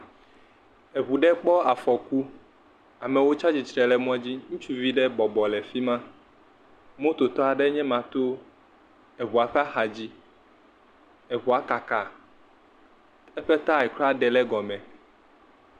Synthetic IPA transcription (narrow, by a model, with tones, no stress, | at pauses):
e˨βu˨ɖɛ˦k͡pɔ˦a˨fɔ˨ku˦ | a˨mɛ̃˨wo˦t͡ʃa˦d͡ʑi˨t͡ʃɾɛ˨lɛ˦mɔ̃˦a˦d͡ʑi˦ŋũ˦t͡ʃu˦vi˦ɖɛ˦bɔ˨bɔ˨lɛ˨fi˦mã˦ | mõ˦t̪o˨t̪ɔ˦a˨ɖɛ˦ɲɛ̃˦mã˨t̪o˦ | ɛ˨βu˨a˨ɸɛ˦a˦xa˨d͡ʑi˦ | e˨βu˨a˨ka˨ka˨ | ɛ˦ɸɛ˦t̪a˦ɛ˨kla˦ɖɛ˨lɛ˦ɡɔ˨mɛ̃˨